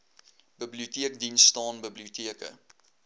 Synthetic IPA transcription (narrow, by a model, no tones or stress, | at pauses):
b̥əbliutiəkdinstɑːnbəbliutiəkə̰